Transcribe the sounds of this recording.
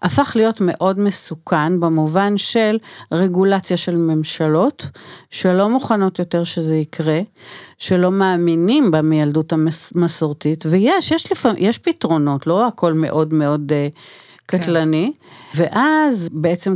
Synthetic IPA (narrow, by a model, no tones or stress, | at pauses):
ʔafaχlijo̞tme̞ʔo̞dme̞sukʰanbemuvanʃe̞lʁe̞ɡulat͡sjaʃe̞lme̞mʃalo̞tʃelo̞muχano̞tjo̞te̞ʁʃezeikʁe̞ʃe̞lo̞maːminimbamejaldutamasoʁtitvejeʃjeʃlefjeʃpitʁo̞no̞tlo̞ako̞lme̞̰ʔo̞dmeo̞d | katlaniveʔazbeet͡se̞m